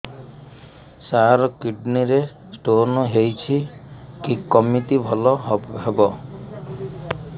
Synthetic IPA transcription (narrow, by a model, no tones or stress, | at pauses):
saɾɔkiɖniɾe | sʈonɔɦejt͡ʃʰikikɔmit̪ibʱɔlɔɦɦebɔ